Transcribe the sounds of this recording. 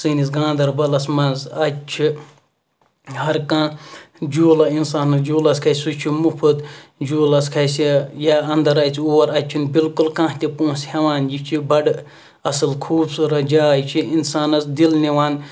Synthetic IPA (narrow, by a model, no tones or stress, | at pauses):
sɨnis̬ɡãːnd̪ɐɾbɐlɐsmɐnzɐt͡ʃʰi | hɐɾkãːd͡ʒuːlɐinsaːnɐsd͡ʒuːlɐskʰɐsut͡ʃʰimupʰɨd̪d͡ʒuːlɐskʰɐsijaːɐnd̪ɐɾɐt͡sʰiuːɐɾɐt͡ʃʰinbilkulkãːht̪ʲepõːnshɐʋaːnjit͡ʃʰibɐɖ | ɐsɨlkʰuːbsuɾɐd͡ʒaːjt͡ʃʰiinsaːnɐsd̪ilniʋaːn